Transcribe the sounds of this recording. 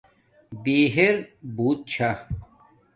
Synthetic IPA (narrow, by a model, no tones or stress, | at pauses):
biːɦeɾbuːt̪̚t͡ɕʰa